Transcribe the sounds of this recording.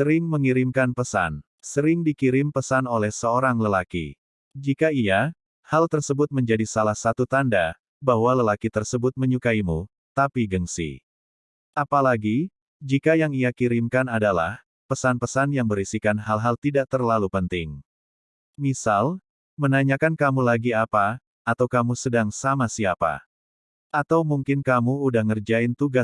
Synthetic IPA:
səɾɪŋməŋiɾɪmkanpəsa̰n | səɾɪŋdikiɾɪmpəsanolɛhsəoɾaŋləlakḭ | d͡ʒikaija | halt̪ərsəbʊt̪̚məɲd͡ʒadisalahsat̪ut̪anda | baɦwaləlakit̪ərsəbʊt̪̚məɲukaimu | t̪apiɡəŋsḭ | ʔapalaɡi | d͡ʒikajaŋiakiɾɪmkanadala̰h | pəsanpəsanjaŋbəɾisikanɦalɦalt̪idaʔ̚t̪ərlalupənt̪ɪŋ | misal | mənaɲakankamulaɡiapa | at̪awkamusədaŋsamasiapa̰ | ʔat̪awmuŋkɪnkamuːdahŋərd͡ʒaɪnt̪uɡas

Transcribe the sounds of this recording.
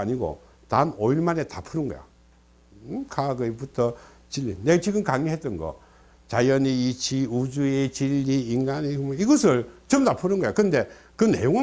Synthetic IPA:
aɲiɡo̰ | tanoiɭmane̞tapʰuɾɯnɡʌ̰jo̰ | kʰaɡɯebutʰʌ | t͡ɕiʎːḭneɡt͡ɕiɡɯmkaŋiɦe̞t͈ʌnɡʌ̰ | t͡ɕajʌniit͡ɕiud͡ʑuet͡ɕiʎːiːnɡanimʌiɡʌsʰɯɭt͡ɕʌmtapʰuɾɯnɡʌjokɯɯnde̞kɯne̞̰joŋ

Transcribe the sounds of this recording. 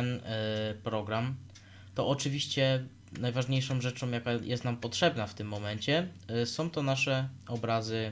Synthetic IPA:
npɾɔɡɾam | t̪ɔʔɔt͡ʂɘvʲiɕt͡ɕɛ | najvaʐɲejʂɔ̃mʐɛt͡ʂɔ̃mjakajʔɛst̪nampɔtʂɛbnaft̪ɘmːɔmɛɲt͡ɕɛsɔ̃w̃t̪ɔnaʂɛɔbɾazɘ

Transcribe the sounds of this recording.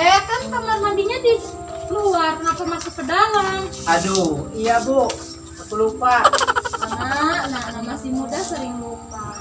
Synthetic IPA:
ajakant̪amamandiɲadi | kəluark̪ənapamasɪpədalaŋaduijabo | apulupa | nananamasihmudasəɾɪŋlupa

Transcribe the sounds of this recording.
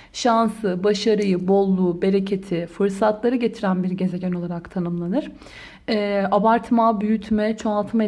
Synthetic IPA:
ʃansɯbaʃaɾɯjɯbo̞lˠːuːbe̞ɾecʰe̞t̪ʰifɯɾsat̪ʰlˠaɾɯɟe̞t̪ʰiɾænbiɾɟe̞zeɟano̞lˠaɾakt̪ʰanɯmlˠanɯɾ̥ | ɛːabaɾt̪ʰmabyjyt̪ʰmɛt͡ʃʰoalˠt̪ʰɯme

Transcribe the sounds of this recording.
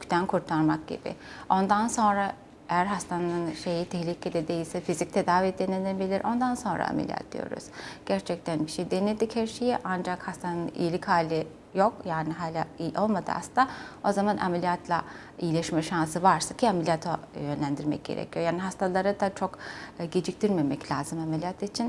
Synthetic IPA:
ycʰt̪ʰænkʰuɾt̪ʰaɾmak̚ɟḭbɪ̰o̞nd̪anso̞nɾa | ejæɾɦast̪ʰanɯnʃe̞jit̪ʰɛhlʲicʰed̪ed̪ejilʲsɛfizic̚t̪ʰed̪aːvid̪enenbilʲiɾʔo̞nd̪anso̞nɾa̰a̰mḛlʲḭa̰t̪̚d̪ḭjo̞̰ɾṵz̥ɟ̥æɾt͡ʃʰɛc̚t̪ʰænbiʃejd̪ened̪ichæɾʃejiʔand͡ʒakhast̪ʰanɯnḭjilʲichaːlʲi | jo̞kjaːniɦaːlʲaiʔo̞lˠmad̪ɯ̰a̰sɯt̪ao̞zamanʔa̰melʲijat̪ʰlˠa | ijilʲɛʃmɛʃans̬ɯvaɾsḁcʰiamelʲijat̪ʰojønlʲænd̪iɾmɛ̰c̚ɟ̥ḛɾḛcʰijo̞jaːniɦast̪ʰalˠaɾɯd̪at͡ʃʰo̞kɟed͡ʒic̚t̪ʰiɾmemɛclʲaːzɯmamelʲijat̪ʰit͡ʃʰin

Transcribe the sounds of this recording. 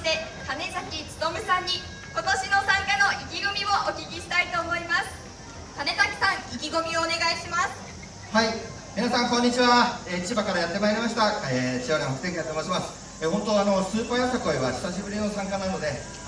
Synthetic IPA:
t̪e̞t̪ame̞sakʲit͡sɨ̥d̪omɯ̟sãɲ̟ːi | ko̞t̪o̞ɕino̞sãŋkano̞ʔikʲiɡomʲiβo̞ʔokʲikʲiɕi̥t̪ait̪o̞ːmo̞imasɨ̥ | t̪ane̞sakʲi̥sãŋ̃ikʲiɡo̞mʲioːne̞ɡaiɕimasɨ̥ | hai | mʲinasãŋkõ̞ɲ̟ːit͡ɕiβaeit͡ɕibakaɾajat̪ːe̞maeɾʲimaɕi̥t̪aet͡ɕioɾẽhokɯ̥eŋkʲiat̪omoɕimasɨ̥ | eɦont̪oano̞sɨːpajasako̞eβaɕi̥saɕibɯ̟ɾʲino̞sãŋkanano̞d̪e̞

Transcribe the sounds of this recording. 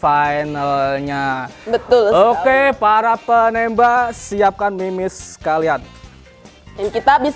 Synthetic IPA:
fajnalɲabət̪ʊlokepaɾapənembaʔsiap̚kanmimɪskalian | jankit̪abis

